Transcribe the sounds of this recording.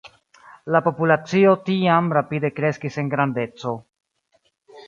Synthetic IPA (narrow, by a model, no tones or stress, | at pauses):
lapo̞pulat͡sio̞tiamɾapide̞kɾe̞skise̞ŋɡɾande̞t͡so̞